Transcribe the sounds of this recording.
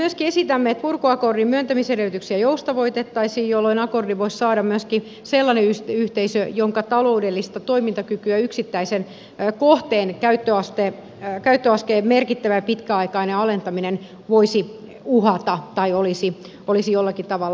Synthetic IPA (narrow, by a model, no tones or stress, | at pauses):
myøskiesit̪æmːeet̪̚purkuɑkordimyønt̪æmisereyt̪yksiæjoust̪ɑʋoit̪et̪ːɑisiːjjolːoinɑkordiʋoissɑːdɑmmyøski | selːɑneyst̪yht̪eisøjoŋkɑt̪ɑloudelːist̪ɑt̪oimint̪ɑkykyæyksit̪ːæisen | koht̪eːnkæyt̪ːøɑst̪eː | kæyt̪ːøɑskeːmerkit̪ːæʋæpit̪kæɑikɑineɑlent̪ɑminen | ʋoisi | uhɑt̪ɑt̪ɑiolisi | olisijolːɑkit̪ɑʋɑlː